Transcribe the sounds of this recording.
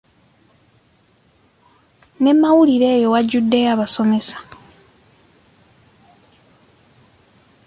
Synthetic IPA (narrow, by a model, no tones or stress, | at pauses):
ne̞mːawuliɾe̞ːjo̞waɟːudːe̞jaβaso̞me̞sḁ